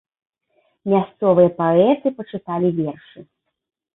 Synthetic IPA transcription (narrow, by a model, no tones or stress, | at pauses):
mʲast̪sɔvɨjɐpaɛt̪ɨpɐt͡ʂɨt̪alʲivʲɛrʂɨ